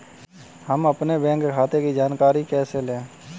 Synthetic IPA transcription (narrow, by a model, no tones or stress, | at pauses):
həməpnebɛ̃ːŋkkʰaːt̪ekid͡ʒaːnkaːɾikɛːselẽː